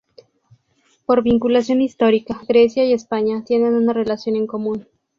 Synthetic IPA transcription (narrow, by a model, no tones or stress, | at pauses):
po̞ɾβiŋkulasjo̞nist̪o̞ɾikaɡɾe̞sjaie̞spaɲat̪je̞ne̞nunare̞lasjo̞ne̞ŋko̞mũn